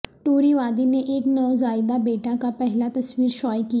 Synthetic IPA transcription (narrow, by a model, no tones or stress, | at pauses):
ʈuoːɾiʋaːd̪ineʔeːknɐʋzaːjd̪abeːʈakapɛɦɪlat̪ɐsʋiːɾʃɔːjkija